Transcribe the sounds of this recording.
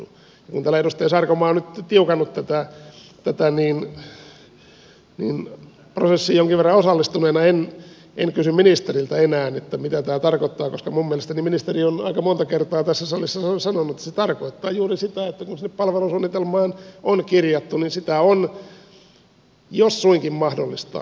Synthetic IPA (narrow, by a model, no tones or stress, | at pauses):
jɑkunt̪ælːæeɾust̪eːsɑrkomɑːonyt̪t̪iukɑnːut̪t̪æt̪æt̪æt̪æniːn | nḭːn | prosesːijoŋkiʋerːɑosɑlːist̪uneːnɑen | ʔeŋkysymminist̪erilt̪æenæːnet̪ːæmit̪æt̪æːt̪ɑrkot̪ːɑːkoskɑmumːieælest̪æniminist̪erionɑ̰ikɑmont̪ɑkert̪ɑːt̪æsːæsɑlisːɑsɑnonːuet̪ːæ̥set̪ɑrkoit̪ːɑːjuːrisit̪æet̪ːækunsinːeppɑlʋelunsunːit̪elmɑːnonkirjɑt̪ːuninsit̪æon | josːuiŋkimmɑhdolːist̪ɑ̰ː